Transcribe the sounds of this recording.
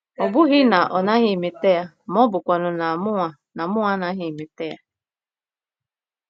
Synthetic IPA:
ɔ˨bʊ˦ɣɪ˦na˨ʔɔ˨na˦ɦɪ˦˨me˨te˦ja˦ | mɔ˦bʊ˨kʷa˨nʊ˨na˨mʊ˦ŋa˨ | na˨mʊ˦ŋa˦na˦ɦɪ˨me˨te˦a˦

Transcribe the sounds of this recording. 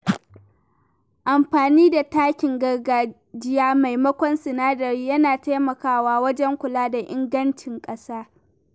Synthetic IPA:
ʔa˨mɸaː˨niː˦da˨taː˦kʲɪ˨ŋɡɐ˨ɡaː˨ | d͡ʒɪ˦jaː˦ma˨jmɐ˦kʷɔ˦nsɪ˨naː˦dɐ˨ɾiː˦jɐ˦naː˨ta˦mɐ˨kaː˦waː˦wɐ˦d͡ʒɛ˦ŋkʷʊ˨laː˦da˨ʔɪ˦ŋɡɐ˦nt͡ʃɪ˨ŋkʼɐ˦saː˦

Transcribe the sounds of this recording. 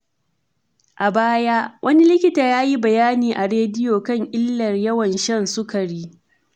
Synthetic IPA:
ʔa˨baː˦jaː˦wʔɐ˦ni˦lɪ˦kʲɪ˦taː˨jaː˦ji˦bɐ˨jaː˦niː˨ʔa˨ɾeː˦dɪ˦joː˨kɐ˦ŋʔɪ˦lːɐ˨rjɐ˦wɐ˨nʃɐ˦˨nsʊ˦kɐ˨ɽiː˦

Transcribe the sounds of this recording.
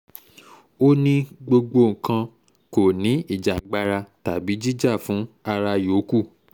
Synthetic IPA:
o˦nĩ˦ɡ͡bo˧ɡ͡bo˧ŋ̩˨kã˧ | ko˨nĩ˨˦i˦˨d͡ʒa˨ɡ͡ba˧ɾa˧ta˨bi˨˦d͡ʒi˦d͡ʒa˦˨fũ˨˦a˧ɾa˧jo˨˦ku˦˨

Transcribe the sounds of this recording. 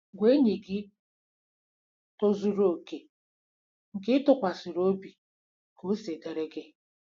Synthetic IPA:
ɡʷe˦ɲe˨ɡɪ˦ | to˦zu˨ɾo˦˨ke˨ | ŋ̩˨kɪ˦tʊ˦˨kʷa˨sʊ˨ɾo˦bi˨ | ko˨˦se˨ɡe˨ɾe˦ɡe˦

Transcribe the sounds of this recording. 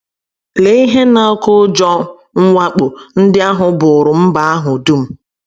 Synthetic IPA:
le˨i˦ɦe˦na˨o˦kʊ˦d͡ʒɔ˦ | ŋ̩˦ŋʷa˦k͡po˨n̩˦dɪ˦a˦ɦʊ˨bʊ˨ɾʊ˨m̩˦ba˨a˦ɦʊ˨du˦m̩˦

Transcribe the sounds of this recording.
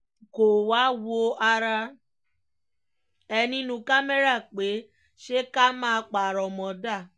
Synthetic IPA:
ko˨wa˨˦wo˦ʔa˧ɾa˧ | ɛ˧nĩ˦nũ˧ka˦me˦ɾa˦˨k͡pe˨˦ | ʃe˦ka˦mãː˦˧k͡pa˨ɾɔ˨mɔ̃˨da˦˨

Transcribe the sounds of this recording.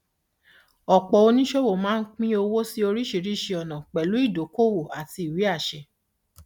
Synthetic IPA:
ɔ˨k͡pɔ˨˧o˧nĩ˦ʃo˦wo˦˨mãː˦n̩˦k͡pĩ˦o˧wo˦si˦o˧ɾi˦ʃe˧˨ɾi˦˨ʃe˧ɔ˨nã˨k͡pɛ˨lu˨˦i˦˨do˨˦ko˦˨wo˨a˨ti˧i˨wi˨˦a˦˨ʃɛ˧˨

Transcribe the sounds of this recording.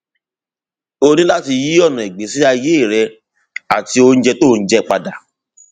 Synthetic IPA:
o˧nĩ˦la˦ti˧ji˦ɔ˦˨nɔ̃˨ɛ˨ɡ͡be˨˦si˦a˧je˦˨ɾɛ˧ | a˨ti˧o˧ñ̩˦d͡ʒɛ˧to˦˨˧n̩˦d͡ʒɛ˦k͡pa˧da˨

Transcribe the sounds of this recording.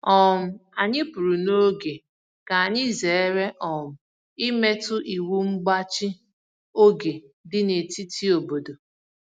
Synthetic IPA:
ɔ˦˨m̩˨a˨ɲɪ˦pu˨ɾu˨no˦ɡe˨ | ka˨a˨ɲɪ˦ze˨e˦ɾe˦ʔɔ˨m̩˨ | i˦me˦tʊ˦ʔi˨wu˦ŋ͡m̩˦ɡ͡ba˦t͡ʃi˦ | o˦ɡe˨dɪ˦ne˨ti˦ti˦o˨bo˨do˨

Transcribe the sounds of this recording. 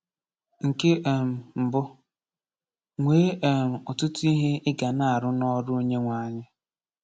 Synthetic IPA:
ŋ̩˨ke˦˨m̩˨m̩˨bʊ˦ | ŋʷeː˦e˨m̩˨ɔ˨tʊ˦tʊ˦i˦ɦe˦ɪ˦ɡa˨na˨a˨ɾʊ˦nɔ˦ɾʊ˦o˦ɲe˦ŋʷa˨˦˨ɲɪ˦

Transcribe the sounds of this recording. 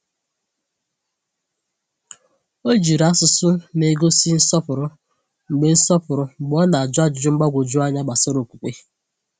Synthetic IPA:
o˦d͡ʒi˨ɾa˦sʊ˨sʊ˦ne˨ɡo˦si˦n̩˦sɔ˦pʊ˨ɾʊ˦ | ŋ͡m̩˨ɡ͡be˦n̩˦sɔ˦pʊ˨ɾʊ˦ɡ͡bɔ˦na˨a˨d͡ʒʊ˦a˦d͡ʒʊ˨d͡ʒʊ˦ŋ͡m̩˦ɡ͡ba˦ɡʷo˨d͡ʒu˦a˦ɲa˦ɡ͡ba˨sɪ˦ɾo˨kʷu˨kʷe˦

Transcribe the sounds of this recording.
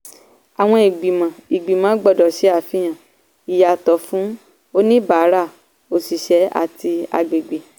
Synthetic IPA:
a˨w̃ɔ̃˧i˨ɡ͡bi˨mã˨i˨ɡ͡bi˨mã˨˦ɡ͡bɔ˦˨dɔ˨ʃɛ˨˦a˦˨fi˦j̃ã˨ | i˨ja˨tɔ˨fũ˨˦ | o˦nĩ˦ba˨˦ɾa˦˨ | o˧˨si˨ʃɛ˨˦a̰˦˨ti˧a̰˧ɡ͡be˨ɡ͡be˨

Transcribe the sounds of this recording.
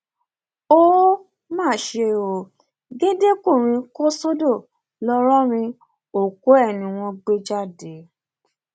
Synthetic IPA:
o˦ | mãː˦˨ʃe˧o˨ | ɡe˦de˦ko˦˨ɾ̃ĩ˧ko˦sɔ˦do˦˨ | lɔ˧ɾɔ˦ɾ̃ĩ˧ | o˨ko˨˦ɛ˦˨nĩ˨w̃ɔ̃˧ɡ͡be˦d͡ʒa˦˨de˨˦

